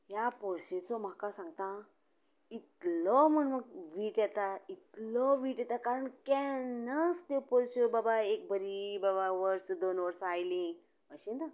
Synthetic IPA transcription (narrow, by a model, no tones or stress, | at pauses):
japɔɾɕet͡sɔm̤akasãŋɡ̚t̪ã | it̪lɔmənməɡ̚ʋiːʈjɛt̪ait̪lɔʋiːʈjɛt̪akaɾəɳkɛnast̪epɔɾsəbabaek̚bʱəɾibabaʋəɾsəd̪onʋəɾsajlĩ | ʋəɕĩnd̪a